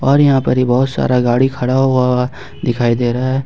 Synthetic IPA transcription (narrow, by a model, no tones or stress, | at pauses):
ɔːɾjɐɦãːpɐɾibɔɦʊt̪sa̰ːɾaɡaːɽikʰɐɽaɦʊa | d̪ɪkʰaːid̪eːɾaaɦɛː